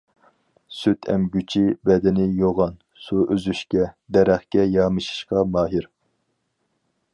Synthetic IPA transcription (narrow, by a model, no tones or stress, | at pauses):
syt̪ʰɛ̰mɡʲyt͡ʃʰibɛd̪ɪnɪjoʁɑn | suʔøzyʃkʲɛd̪ɛɾæχkʲɛjɑːmɨʃi̥ʃqɑmɑːɦiɾ